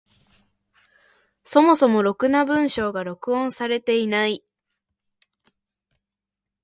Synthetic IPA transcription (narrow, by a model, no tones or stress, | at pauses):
so̞mo̞so̞mo̞ɾo̞kɯ̟nabɯ̟̃ɰ̃ɕo̞ːɡaɾo̞kɯ̟õ̞ɰ̃saɾe̞t̪e̞inai